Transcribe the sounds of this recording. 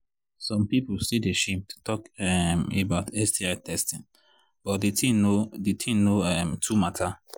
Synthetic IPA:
sɔ̃mpipʊlsideʃẽmtʰu̥tɔkɛmebaʊtɛstiatʰɛstɪ̃n | b̥ɔt̚detĩnodetʰĩnoɛmtʰumatʰa

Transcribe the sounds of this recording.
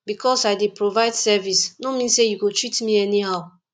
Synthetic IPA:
bikɔsaɪdipɹovaɪdsɛvisnomĩnsejuɡotɹitmĩɛniɦaʊ

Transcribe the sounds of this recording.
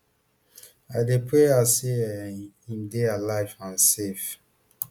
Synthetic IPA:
aɪdepʰɹeasehĩmdealaɪvãnsef

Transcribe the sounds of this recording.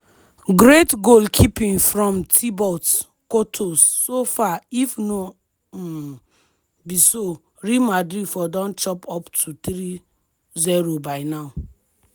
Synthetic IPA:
ɡɾetɡolkʰipĩŋfɾɔ̃mtʰibɔt | kotʰosːofaifno | biso | ɹimadɾidfɔdɔ̃nt͡ʃɔpɔptʰut̪ɾi | zɛɾobaɪnaʊ

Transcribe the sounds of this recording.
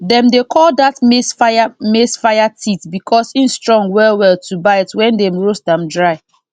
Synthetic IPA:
dɛ̃mdekʰɔldatmesfaamesfajatʰitbikʰɔsĩnstɹɔ̃ŋɡwɛlwɛltʰubaɪɛtwɛ̃ndɛ̃mɹosdãmdɹaɪ

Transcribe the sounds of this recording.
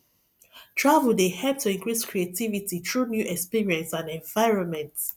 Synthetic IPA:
tʰɹavəldehɛp̚tʰuĩŋkɹiskʰɹietivititʰɹunjuʔɛkspiɹiɛ̃nsãnɛ̃nvaɪɹɔ̃nmɛ̃nts

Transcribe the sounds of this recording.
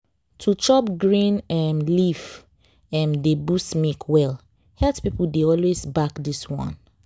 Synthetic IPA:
tʰut͡ʃɔpɡɹĩnɛmliv | ɛ̃mdebusmikʰwɛl | hɛltpipuldeɔlwesbakdiswɔ̰̃n

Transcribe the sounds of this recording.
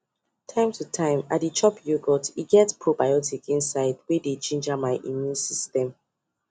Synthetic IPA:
tʰãɪ̃mtʰutʰãɪ̃ma̰dit͡ʃʰɔpjuɡɔtiɡɛtpʰɹobajɔtikĩnsaɪdweded͡ʒĩnd͡ʒamaɪʔḭmjũnsistɛ̃m

